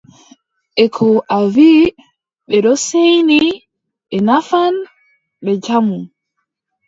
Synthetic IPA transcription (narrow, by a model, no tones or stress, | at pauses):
ʔɛkʰɔʔavi | ɓɛɗɔsejni | ɓɛnafan | ɓɛd͡ʒamu